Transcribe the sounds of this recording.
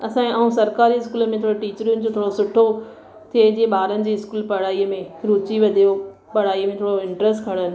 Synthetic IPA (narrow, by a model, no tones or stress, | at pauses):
ɐsãːẽaːɦũsɐɾkaːɾiɪskuːləmẽt̪ʰoːɽoʈiːt͡ɕəɾɪʊnɪ̆d͡ʑot̪ʰoːɽosʊʈʰo | t̪ʰied͡ʑiːẽɓaːɾənɪ̆d͡ʑiːɪskuːlpɐɽ̤aːiːəmẽɾuːt͡ɕiʋɐd̪ʱijo | pɐɽ̤aːiːəmẽt̪ʰoːɽoɪ̃ɳʈɾəsʈkʰɐɽ̃ənɪ̆